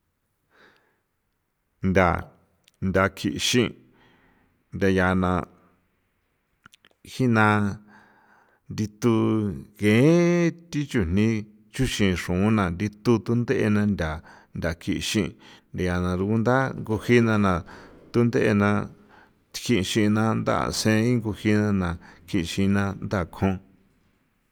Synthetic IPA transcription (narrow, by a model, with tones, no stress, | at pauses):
nd̪ʲa˨ | ndʲa˧kʰi˧ʔʃĩ˦ | nd̪ʲa˧ja˧˨nã˧ | hi˦nã˧ | nd̪i˧t̪u˧ɣẽ˨˦t̪i˦t͡ʃu˧n̥nĩ˦ | t͡ʃu˦ʃĩ˧˨ʂũ˨˦nã˨nd̪i˧t̪u˧t̪u˦nd̪e˦ʔe˧nã˧ndʲa˨ | ndʲa˨kʰi˧ʃĩ˦˧nd̪a˨˧ja˨nã˨ɾu˧ku˧nd̪a˦ŋɡu˧hi˦nã˧nã˨t̪u˦nd̪e˦ʔe˧nã˧ | t̪i̥˧kʰi˦˧ʃĩ˧nã˧nd̪a̰˦ʔsẽ˦ĩ˦ŋɡu˧hi˧nã˧nã˨kʰi˧ʔʃĩ˧nã˧nd̪a˦˨kʰõ˧